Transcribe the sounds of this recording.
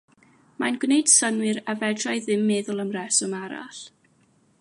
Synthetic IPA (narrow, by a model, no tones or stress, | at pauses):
manɡwnejd̥sənwɨɾavɛdrajðɪmːɛːðʊlˠəmrɛsɔmaɾa̰ɬ